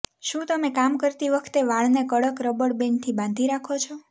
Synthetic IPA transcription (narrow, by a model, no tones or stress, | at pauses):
ʃũt̪əmẽkamkəɾt̪iʋəkʰt̪eʋaɭnekəɽəkɾəbəɽbent̪ʰibãnd̪ʱiɾakʰot͡ʃʰɔ